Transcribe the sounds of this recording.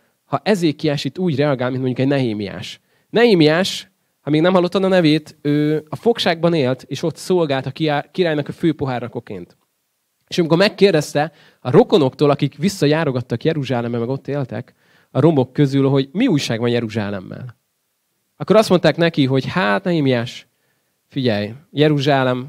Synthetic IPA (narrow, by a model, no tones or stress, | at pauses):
hɒʔɛzeːkːiaːʃit̪ːuːɟrɛɒɡaːlminmoɲɟukɛɟnɛɦeːmija̰ːʃ | nɛɦeːmiaːʃ | hɒmeːɡnɛmɒlːo̞t̪ːɒnɒnɛveːt̪øːɒfo̞kʃaːɡ̚bɒneːlt̪eːʃo̞t̪solɡaːlt̪ɒkikiɾaːjnɒkɒføːpo̞ɦaːrnɒko̞kḛːnt̪ | eːʃɒmiko̞ɾmɛkːeːrd̪ɛst̪ɛ | ɒɾo̞ko̞no̞kt̪oːlɒkikʋisːɒjaːɾo̞ɡɒt̪ːɒkjɛɾuʒaːlɛmːɛmɛɡo̞t̪ːeːlt̪ɛ̰k | ɒɾo̞mo̞kːøzylɦo̞ɟmiuːjʃaːɡvɒnjɛɾuʒa̰ːlɛ̰mːɛ̰l | ɒkːoɾɒst̪mo̞nt̪aːknɛkiɦo̞ɟhaːt̪nɛimijaːʃ | fiɟɛjjɛɾuʒaːlɛm